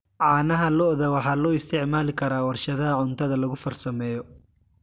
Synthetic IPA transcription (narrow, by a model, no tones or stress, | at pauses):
ʕɑːnɐɦɐlɔʔðɐwɑħɑːlɔːɪst̪ʰɪʕmaːlɪkʰɐɾaːwɐrʃɐðɐɐʕʊnt̪ʰɐðɐlɐɣʊfɐrsɐmɛːjɔ